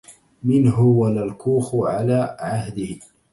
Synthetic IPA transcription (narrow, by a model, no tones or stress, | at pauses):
mɪnɦʊwanalkuːxʊʕalaːʕahd̪ɪh